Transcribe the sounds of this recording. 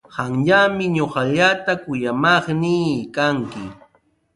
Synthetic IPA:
hɑŋʎamɪɲoχɑʎat̪akʊjamɑχnɪiːkaŋkɪ

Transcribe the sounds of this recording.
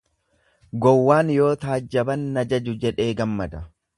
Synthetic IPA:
ɡɔwːaːnjo̞ːt̪aːd͡ʒːɐbɐnːɐd͡ʒɐd͡ʒʊd͡ʒɛᶑe̞ːɡɐmːɐd̪ɐ

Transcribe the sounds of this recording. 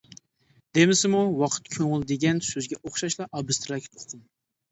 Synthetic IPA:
d̪̥emɪsɪmuwɑqʰə̥t̪kʲʰøŋɪlˠd̪eɡʲɛnsøzɡʲɛʔoχʃɑʃlˠɑʔɑbɨst̪ʰɾɑkʲʰt̪ʰo̥qʰʊm

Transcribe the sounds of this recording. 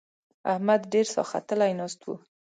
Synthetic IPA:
ahmad̪ɖeɾsɑ̰xa̰t̪əlajnɑst̪wṵ

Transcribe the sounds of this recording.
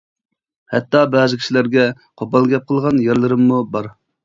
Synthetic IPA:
hɛt̪ːɑbɛːzɪkʲʰi̥ʃilæɾɡʲɛ | qʰobɑlˠɡʲɛp̚qʰəlˠʁɑnjæɾlˠɨɾɨmːubɑɾ

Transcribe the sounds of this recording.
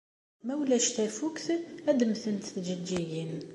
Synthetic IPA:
mæwlæʃt̪æfukθæd̪mθənt̪θd͡ʒəd͡ʒijin

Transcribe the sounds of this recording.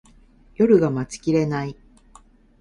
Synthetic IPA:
jo̞ɾɯ̟ɡamat͡sɨ̥kʲiɾe̞nai

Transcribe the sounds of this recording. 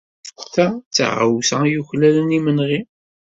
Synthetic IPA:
θæt͡sːa̰ʁə̰wsæjuçlælənimənʁi

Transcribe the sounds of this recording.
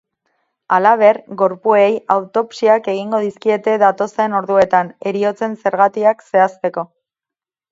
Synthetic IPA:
alaβ̞e̞ɾɣo̞ɾpuejawt̪o̞psiake̞ɣ̞iŋɡo̞ðiskie̞t̪e̞ðat̪o̞saeno̞ɾðue̞t̪ane̞ɾio̞t͡se̞nse̞ɾɣ̞at̪iakse̞ast̪e̞ko̞

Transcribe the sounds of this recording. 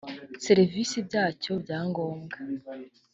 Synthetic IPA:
seɾivisibɟaːco̞bɟaːŋɡo̞ːmɡa

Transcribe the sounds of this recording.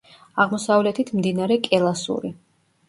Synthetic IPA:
aʁmɔsavlɛt̪ʰit̪ʰmd̪inaɾɛkʼɛlˠasṵɾi

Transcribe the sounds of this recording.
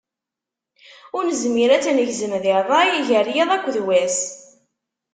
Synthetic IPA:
ʊɾnəzmiɾæt͡sːænəʝzəmðɪɾðˤɑjiʝərjɑðˤækʷːðwæs

